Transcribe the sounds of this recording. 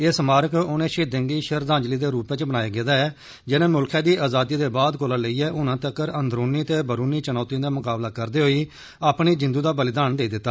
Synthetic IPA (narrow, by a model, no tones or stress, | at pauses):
ɪːsmaːɾəkʊnẽːʃeːd̪ə̃ŋɡiːʃəɾd̪ãːɲd͡ʒliːd̪eːɾuːpẽt͡ʃbənaːjaːɡeːd̪aːɛː | d͡ʒɪnẽːmʊlkʰɛ̃ːd̪iːaːzaːd̪iːd̪eːbaːd̪koːlãːləiːɛːʔʊnãːt̪əkːəɾənd̪ɾoːniːt̪eːbəɾuːniːt͡ʃənaːt̪iãːd̪aːmʊkaːblaːkəɾd̪eːɦoːiː | aːpɳiːd͡ʒɪ̃nd̪uːd̪aːbəlɪd̪aːnd̪eːiːd̪ɪt̪ːaː